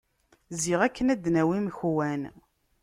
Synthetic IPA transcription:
ziʁækːənæd̪næwimçwæn

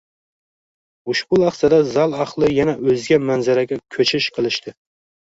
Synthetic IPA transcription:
ʊʃbʊlˠɑχsad̪azɑlˠɑχlˠɨjɛnaɵzɡʲɛmænzaɾaɡʲɛkʲʰɵt͡ʃʰɪʃqʰɨlˠɪʃt̪ʰɪ

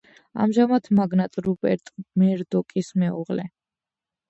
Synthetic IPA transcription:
a̰mʒamat̪ʰmaɡnat̪ʼɾubɛ̰ɾt̪ʼmɛɾd̪ɔkʼismɛṵʁlɛ

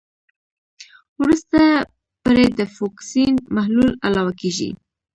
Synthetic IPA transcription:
wɾust̪a | poɾed̪əfɑksinmahlula̰lɑwakeʒḭ

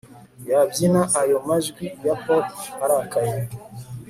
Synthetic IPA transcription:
jabjinãʔajomaʒɡʷijapɔtaɾakaja

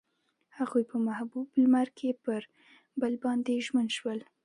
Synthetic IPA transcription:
haɣujpəmahbublmaɾkʰepəɾ | bəlbɑnd̪eʒmənʃwəl

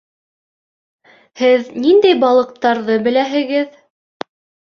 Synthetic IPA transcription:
hɘðnind̪æjbɑlˠɤ̆q̚t̪ɑɾðɤbɘ̆læɦɘ̆ɡɘð

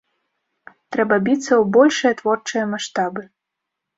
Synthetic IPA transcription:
t̪ɾɛbɐbʲit̪sːɐwbɔlʲʂɨjɐt̪vɔrt͡ʂɨjɐmaʂt̪abɨ

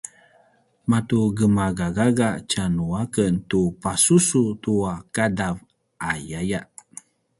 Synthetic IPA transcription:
matuɡəmaɡaɡaɡat͡ʃanuakəntupasusutuakadav | ajajaʔ

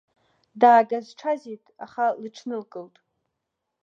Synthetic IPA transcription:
daːɡazʈ͡ʂʰazitʼa̰χalɨʈ͡ʂʰnɨlkʼɨltʼ

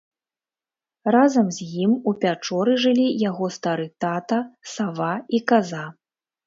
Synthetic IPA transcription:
razɐmzʲjimupʲat͡ʂɔɾɨʐɨlʲijaɣɔst̪aɾɨt̪at̪ɐsavaikaza

